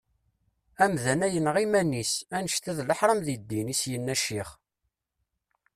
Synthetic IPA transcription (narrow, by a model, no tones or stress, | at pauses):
æmðænæjənʁimænːisænəʃt̪æðləħɾˤəmðid̪ːinisjənːæʃiχ